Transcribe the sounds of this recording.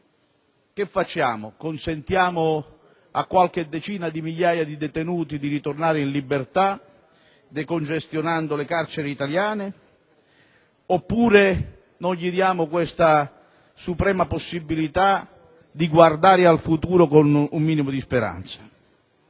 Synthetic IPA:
k̟ɪfːat͡ʃːaːmʊkonsent̪jaːmʊ | a̰kːwalk̟ɪd̪ːɛt͡ʃiːnad̪imiʎːaːjad̪id̪ɛt̪enuːt̪id̪iɾit̪ornaːɾɪinlibːert̪a | d̪ekond͡ʒest̪jonand̪ʊlekart͡ʃɛɾɪit̪aljaːnɪ | opːuːɾe | nɔjʎid̪jaːmʊkwɛst̪a | supɾɛːmaposːibːilit̪a | d̪iɡward̪aːɾɪalfut̪uːɾokonumːiːnimʊd̪ispeɾa̰nt̪sḁ

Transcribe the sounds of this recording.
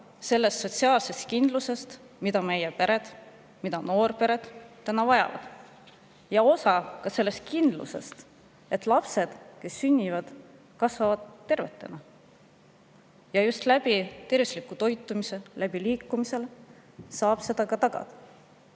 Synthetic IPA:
se̞lːe̞st̪so̞t̪siɑːlse̞st̪̚kind̪̥luse̞st̪ | mid̪ɑme̞jepe̞ɾe̞d̪̥ | mid̪ɑno̞ːrpe̞ɾe̞d̪̥t̪ːænɑvɑjɑ̰vɑ̰d̪̥ | jɑo̞sɑkɑse̞lːe̞st̪̚kind̪lṵse̞̰st̪ | e̞t̪lɑpse̞d̪̥ke̞sːynʲːivɑd̪̥ | kɑsvɑvɑd̪̥t̪ːe̞rve̞t̪ːˑe̞nɑ | jɑjust̪læb̥it̪e̞rvislikːˑut̪o̞jt̪ːˑumise̞læb̥iliːkˑːumise̞l | sɑːb̥se̞d̪̥ɑkɑt̪ɑɡ̥ɑ̰d̪̥ɑ̥

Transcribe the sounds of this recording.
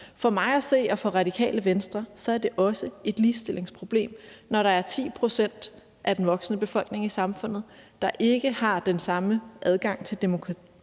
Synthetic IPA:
fɒ̽mɑ̈ɪæse̝̰ːɒ̽fɒ̽ʁɑ̈dikʰɛ̰ːləʋensd̥ʁɐsɒ̽æɐd̥e̝ʔɒ̽səe̝d̥liːsd̥e̝le̝ŋspʰʁo̝b̥le̝̰ːmnɒɾɑ̈æɐt͡sʰḭːpʰʁo̝sen̰d̥ | ʔæd̥enʋɒ̽ɡ̥sənəb̥e̝fɒ̽l̰ɡ̥ne̝ŋisɑ̈mfɔ̽n̰ð̩ˠd̥ɑ̈ʔe̝ɡ̥əhɑ̈d̥ensɑ̈məʔæð̞ˠɡ̥ɑ̈ŋ̰t͡sʰe̝ld̥e̝mo̝kʰʁɑt͡sʰi

